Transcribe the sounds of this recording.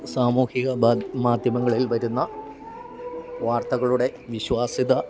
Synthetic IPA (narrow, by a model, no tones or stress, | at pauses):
saːmuːhiɣɐmaːd̪ʱjɐmɐŋːɐɭilʋɐɾunːɐ | ʋaːrt̪ɐɣɐɭuɽe̞ʋiɕwaːsiðɐ